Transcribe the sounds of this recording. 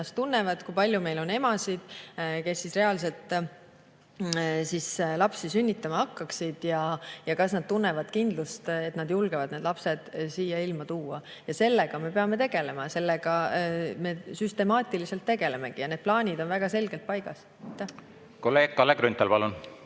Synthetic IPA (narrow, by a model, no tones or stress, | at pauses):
ɑst̪unːe̞vɑd̪̥kujpɑlʲjume̞jlo̞ne̞mɑsid̪̥ke̞sːisre̞ɑls̬e̞lt̪ːˑ | sislɑpsisynʲːit̪ːˑɑmɑhɑkːɑksid̪̥jɑjɑkɑsnɑd̪̥̚t̪unːe̞vɑd̪̥kind̪lust̪e̞t̪nɑd̪̥julɡ̥evɑd̪̥ne̞ːd̪lɑpse̞d̪̥siːjɑilmɑt̪uːɑjɑse̞lːe̞ɡ̥ɑme̞pe̞ɑme̞t̪e̞ɡ̥e̞le̞mɑse̞lːeɡ̥ɑme̞syst̪e̞mɑːt̪ʲˑilise̞lt̪ːe̞ɡe̞le̞me̞ɡ̥ijɑne̞d̪̥̚plɑːnʲid̪o̞nvæɡ̥ɑse̞lɡ̥e̞lt̪̚pɑjɡ̥ɑs | t̪ːe | koleːkkːɑleɡɾynt̪ːelpɑlun